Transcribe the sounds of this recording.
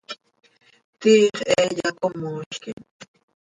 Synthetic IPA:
t̪iːχeːʎakomoʃkɪ

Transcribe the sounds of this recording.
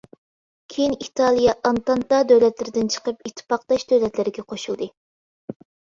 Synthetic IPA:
kʲʰejinit̪ʰɑlˠijɑʔɑnt̪ɑnt̪ɑd̪øwlɛt̪lɪɾɪd̪ɪnt͡ʃʰə̥qəpit̪ʰːɨ̥pɑq̚d̪ɑʃd̪øwlɛt̪lɪɾɪɡʲɛqʰoʃulˠd̪ɨ

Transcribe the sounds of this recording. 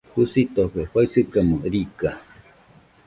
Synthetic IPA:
husit̪opeɸait͡sɨkamuɾika

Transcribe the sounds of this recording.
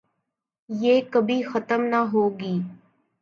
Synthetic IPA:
jeːkəbʱiːxət̪əmnaɦoːɡiː

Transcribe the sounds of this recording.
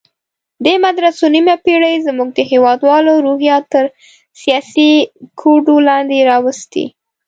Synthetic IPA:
d̪emad̪ɾasonimapeɽəjzmuɡ̚d̪əɦewɑd̪wɑloɾohjɑt̪əɾ | sijɑsikʰoɖolɑnd̪eɾɑwəst̪ḭ

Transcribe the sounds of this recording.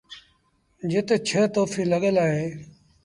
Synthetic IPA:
d͡ʒɪt̪t͡ʃʰət̪oːfiːləɠəlaːɦeː

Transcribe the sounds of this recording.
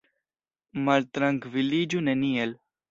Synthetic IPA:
mɐɾt̪ɾɐ̃ŋɡʋiliːd͡ʒunenĩel

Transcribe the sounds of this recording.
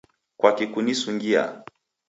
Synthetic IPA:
kwakikunisuŋɡia̰

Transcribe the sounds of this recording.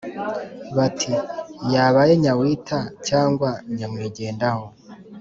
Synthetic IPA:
βatʰijaβajeɲawiːtʰacaːŋɡwaɲamwiːɟe̞ːndaho

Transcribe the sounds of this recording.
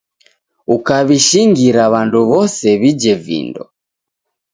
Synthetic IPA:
ukaβiʃiŋɡiɾaβanduβɔsɛβid͡ʒɛvḭndɔ̰

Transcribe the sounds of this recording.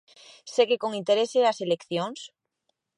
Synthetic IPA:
sekekoŋĩnt̪eɾeseaselekθjoŋs

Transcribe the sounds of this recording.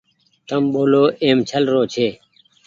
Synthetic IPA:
t̪əmɓoːloːʔeːmt͡ɕʰəlɾoːt͡ɕʰeː

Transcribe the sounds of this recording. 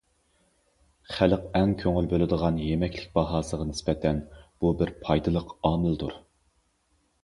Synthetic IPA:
χæləqɛŋkʲʰøŋylbølɨd̪əʁɑnjemɛkʲlɪk̚ʲbɑɦɑːsəʁɑnɪspɛt̪ʰɛnb̥ubɪɾpʰɑjd̪ɨlˠəqɑːmɨld̪uɾ

